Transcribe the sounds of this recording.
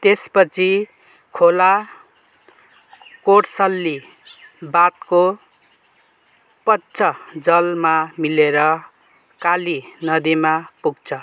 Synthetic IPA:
t̪espʌt͡sʰi | kʰola | koɽsʌlːi | bat̪ko | pʌtːt͡sʰʌd͡zʌlmamileɾʌ | kalinʌd̪imapuɡt͡sʰʌ

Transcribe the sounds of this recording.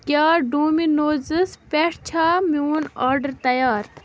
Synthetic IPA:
kjaːɖuːminoːzɨspɛʂt͡ɕʰaːmuːnaːɾɖəɾt̪ɐjaːɾ

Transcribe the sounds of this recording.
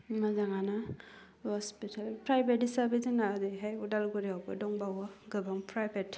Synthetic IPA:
mazaŋana | hɔspitʰalpɾajbetisabeziŋnadɯɦajudalɡɔɾiɔbɯ̰dɔŋbawɔɡɯbaŋpɾajbet

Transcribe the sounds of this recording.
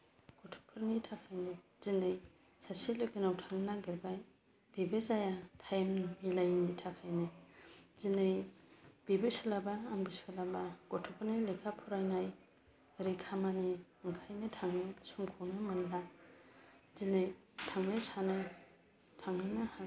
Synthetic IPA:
ɡɔtʰɔ̥pʰɯɾnitʰakʰajni | z̥inɯj | sasilekenawtʰaŋnɯnaɡeɾbaj | b̥ibezajatʰajmmilajnitʰakʰajnizinɯjb̥ibesɔlabaːŋbisɔlabaɡ̥ɔtʰɔpʰaɾnijlekʰapʰɔɾajnaj | beɾekʰamani | ŋkʰajnɯtʰaŋnɯsɔŋkʰɔwnɯmanla | zinɯj | tʰaŋnajsanɯj | tʰaŋnɯnaha

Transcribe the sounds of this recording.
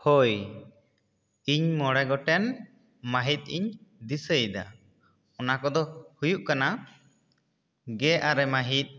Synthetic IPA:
hoj | iɲmɔɽɛɡɔʈɛn | maɦit̪̚ˀḭɲd̪isəjd̪a̰ | ɔnakɔd̪ɔhujuʔkana | ɡɛʔaɾɛmaɦit̪̚ˀ

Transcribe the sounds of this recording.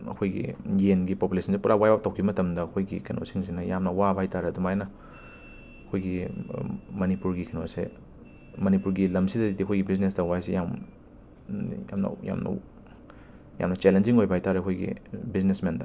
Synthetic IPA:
ɐ̰kʰojɡḭjenɡipopulesʰɐnsipuɾawajbak̚tɐwkʰibɐmɐtɐmdɐɐkʰojɡḭkʰɐnʔo̰siŋsinɐjamnɐwabajtaɾeɐdumajnɐ | ɐkʰojɡi | mɐnipuɾɡikʰɐno̰sḛ | mɐnipuɾɡilɐmsidɐdidiɐkʰojɡibiznesdɐwajsijam | ja̰mnɐ̰ja̰mnɐ̰ | ja̰mnɐt͡ʃelend͡ʒiŋojbɐajtaɾeɐkʰojɡḭbiznesmendɐ̰

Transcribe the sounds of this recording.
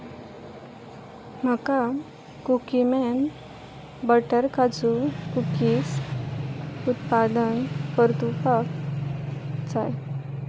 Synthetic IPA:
m̤əka | kukimɛn | bəʈəɾkad͡zukukis | ut̪pad̪ənpəɾt̪upak | t͡saj

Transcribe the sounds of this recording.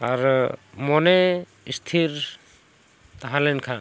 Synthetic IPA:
aɾmɔne | ist̪ʰiɾ | t̪aɦalɛnkʰan

